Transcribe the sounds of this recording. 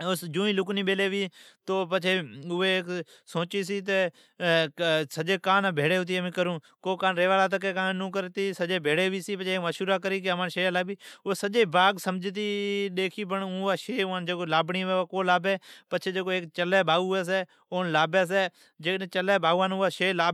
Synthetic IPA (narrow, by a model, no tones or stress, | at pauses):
ʊsd͡ʒũːĩːlʊknĩːɓeːleːʋiːt̪oːpət͡ʃʰeːʊeːk | soːt͡ʃiːs̬iːt̪̬e | səd͡ʒeːkaːnaːbʱeːɽeːɦʊt̪̬iːəmĩːkəɾũː | koːkaːnɾeːʋaːlaːt̪̬əkeːkãːnnũːkəɾt̪iːsəd͡ʒeːbʱeːɽeːʋiːsiːpət͡ʃʰeːkməʃuːɾaːkəɾiːkeəmaːnʃeːaːlaːbiːʊeːsəʄeːbaːɡsəmd͡ʒʱt̪̬iːɗeːkʰiːp̬əɳ̃ːaːʃeːãnd͡ʒeːkoːlaːbɳiːʋeːaːkoːlaːbeːpət͡ʃʰeːd͡ʒeːkoeːkt͡ʃəlɛːbʱaːuːeːs̬eː | oːnlaːbeːs̬eː | d͡ʒeːẽːt͡ʃəlɛːbaːuːaːnʊaːʃeːlaː